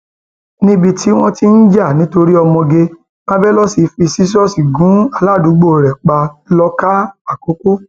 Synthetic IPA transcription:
nĩ˦bi˧tʰi˨˦w̃ɔ̃˦ti˦n̩˦d͡ʒa˦˨nĩ˦to˧ɾi˦ɔ˧mɔ̃˧ɡe˧ | kã˦bɛ˦lɔ˦si˧fi˧si˦s̬ɔ˦si˨ɡũ˨˦a˦˨la˦˨du˨˦ɡ͡bo˦˨ɾɛ˨k͡pa˧lɔ˧ka˦a˦˨ko˨˦ko˦

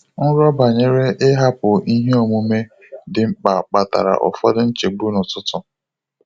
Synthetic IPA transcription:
n̩˦ɾɔ˦ba˨ɲe˦ɾe˦ʔɪ˦ɦa˦pʊ˨i˦ɦe˦o˨mu˦me˦ | dɪ˨ŋ͡m̩˦k͡pa˨k͡pa˨ta̰˨ɾa̰˨ʔɔ̰˨fɔ˦dɪ˦n̩˦t͡ʃe˨ɡ͡bu˦nʊ˨tʊ˦tʊ˨

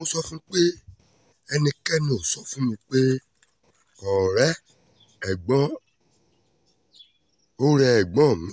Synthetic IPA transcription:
õ˧sɔ˦fũ˦k͡pe˦ | ɛ˧nĩ˧kɛ˦˨nũ˨sɔ˦fũ˦mĩ˧k͡pe˦ | ɔ˨ɾɛ˦ | ɛ˨ɡ͡bɔ̃˦ | o˦ɾɛ˧ɛ˨ɡ͡bɔ̃˦˨mĩ˨˦

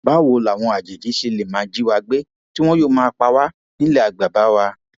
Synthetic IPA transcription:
ba˨˦˨wo˨˦la˨w̃ɔ̃˧a˨d͡ʒe˨d͡ʒi˨˦ʃe˧le˨mã˨˦d͡ʒi˦wa˧ɡ͡be˦ | ti˦w̃ɔ̃˦joː˦˨mãː˦˧k͡pa˧wa˦ | nĩ˦lɛ˦˨a˨ɡ͡ba˨ba˨˦wa˧

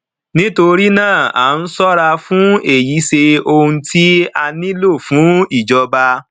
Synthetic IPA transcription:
nĩ˦to˧ɾi˦nãː˦˨a̰˨˦n̩˦sɔ˦ɾa˧fũ˦e˨ji˨˦se˧o˧hũ˧tʰi˦a˧nĩ˦lo˦˨fũ˨˦i˦˨d͡ʒɔ˧ba˧

